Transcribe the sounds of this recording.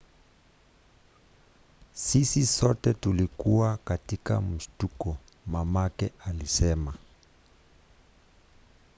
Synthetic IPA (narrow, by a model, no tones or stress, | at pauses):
sisisɔtɛtulikuwakatika̰m̩ʃtukɔ | mamakɛʔalisɛma